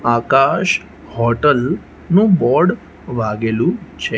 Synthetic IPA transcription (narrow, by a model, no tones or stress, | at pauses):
akaʃ | hɔʈəl | nũbɔɾɽ | ʋaɡelũt͡ʃʰe